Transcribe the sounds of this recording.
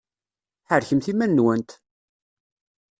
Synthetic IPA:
ħəɾçəmθimænːwænt̪

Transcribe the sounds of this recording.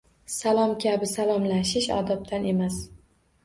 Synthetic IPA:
salˠɒmkʲʰabɪsalˠɒmlaʃɪʃɒ̰d̪ɒp̚t̪ʰane̞mas

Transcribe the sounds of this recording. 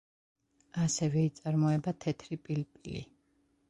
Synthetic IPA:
asɛvɛit̪sʼaɾmɔɛbat̪ʰɛt̪ʰɾipʼilpʼilḭ

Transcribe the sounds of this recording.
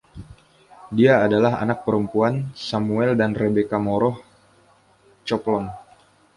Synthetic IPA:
diaːdalaɦa̰nak̚pəɾəmpuansamuɛldanrebekamoɾɔh | t͡ʃɔplɔn

